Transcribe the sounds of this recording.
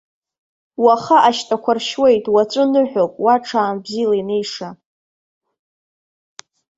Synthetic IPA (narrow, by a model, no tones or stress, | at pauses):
waχaʔaʃtʰʼakʷʰarʃwe̞jtʼwat͡sʷʼʊnɨħʷᶣopʼwaʈ͡ʂʰaːmbzilaine̞jʂa